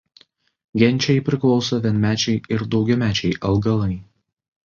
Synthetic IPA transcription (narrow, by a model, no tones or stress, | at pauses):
ɡʲɛnʲˑt͡ʃʲɛɪpʲɾʲɪklˠɒʊsoʋʲiɛnʲmʲæːt͡ʃʲɛɪɪɾd̪ɒʊɡʲɛmʲæːt͡ʃʲɛɪʔɐlˠɡɐlˠɐɪ